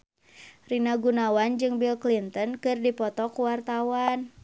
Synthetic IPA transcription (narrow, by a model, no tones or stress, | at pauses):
rinaɡunawand͡ʒɨŋbilklint̪ənkɨrdipɔt̪ɔkuwart̪awan